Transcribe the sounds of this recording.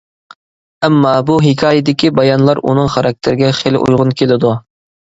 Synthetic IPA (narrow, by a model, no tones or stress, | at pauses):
ɛmːɑːbuɦikʲʰɑːjɪd̪ɪkʲibɑjɑnlˠɑɾṵnɨŋχɑɾɑk̚t̪ʰɪɾɪɡʲɛχelʔṵjʁʊnkʲʰelɪd̪u